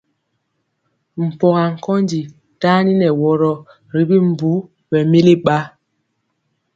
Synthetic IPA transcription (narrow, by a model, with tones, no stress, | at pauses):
m̩˨pɔ˨ɣa˨ŋ̩˨kɔ˦nd͡ʒi˨ | taː˦ni˦nɛ˨wɔ˨ɾɔ˨ | ɾi˦bi˦m˨bu˨˦ | bɛ˨mi˦li˦ɓa˦